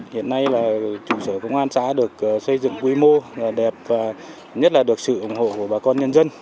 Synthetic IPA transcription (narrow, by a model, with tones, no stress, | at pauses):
hḭ˧˨ənːa˧jlaː˨˩t͡ɕu˧˩səː˧˩kʊ̰˧˥wŋ͡mʔaː˧nsa̰ː˧˥ɗɨ˨˩ək̚ʔsə˧jzɨ̰˧˨ŋkwi˧˦mo˧aː˨˩ɗɛ˨˩p̚vaː˨˩ | ɲə˦˥t̚laː˨˩ɗɨ˨˩ək̚sɨ̰˧˨ʔʊ˧˩ŋ͡mho̰˧˨ku˧˩ə˩ɓaː˨˩kɔ˧nɲə˧nzə˧n